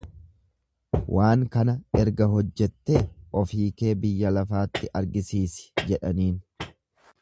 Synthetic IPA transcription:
wʔaːŋkɐnɐʔɛɾɡɐɦɔd͡ʒːɛt̪ːeːʔɔfiːke̞ːbɪjːɐlɐfaːt̪ːɪʔɐɾɡɪsiːsɪ̥d͡ʒɛᶑɐniːn

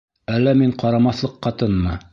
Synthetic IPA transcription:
ælːæmiɴqɑɾɑmɑθlˠɤqːɑt̪ɤnmɑ

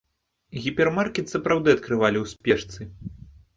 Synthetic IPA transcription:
ɣʲipʲɛrmarkʲɛt̪sɐpɾawd̪ɨɐt̪kɾɨvalʲiwsʲpʲɛʂt̪sɨ

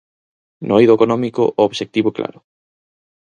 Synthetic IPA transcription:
nojðoekonɔmikʊ̰ʔooβʃek̚t̪iβoklʔa̰ɾʊ

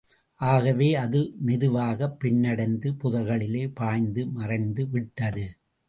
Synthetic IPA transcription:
ʔaːɣɐʋeːɐðɯmɪðɯʋaːɣɐpːɪɳːɐɽɐɪnd̪ɯpʊðɐɣɐɭɪleːpaːjnd̪ɯmɐrɐɪnd̪ɯʋɪʈːɐðɯ

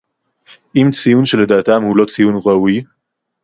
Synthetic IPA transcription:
ʔimt͡sijunʃeled̪aːt̪amhulo̞t͡sijunʁawi

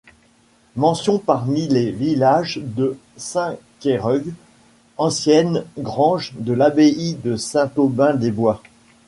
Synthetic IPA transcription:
mɑ̃sjɔ̃paʁmilevilaʒd̪ə | sɛ̃kʲeʁɔɡ | ɑ̃sjɛnɡʁɑ̃ʒd̪əlabeid̪əsɛ̃t̪obɛ̃d̪ebwa

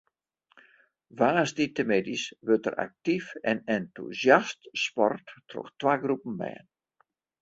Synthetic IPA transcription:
ʋaːsditəmedisʋøtə̰rʔa̰k̚tifɛnɛntṵzjastspɔrtːrɔ̰xtʋaːɡrupən̩mɛ̰ːən

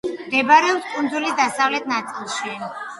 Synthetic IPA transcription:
md̪ɛbaɾɛɔpskʼund̪zulid̪asavlɛt̪̚ʰnat̪sʼilˠʃiɛ

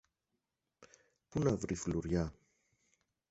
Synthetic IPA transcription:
punavɾifluɾja

